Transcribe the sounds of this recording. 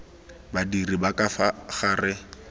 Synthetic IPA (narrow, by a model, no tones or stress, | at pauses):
badiribakafaχaːrɪ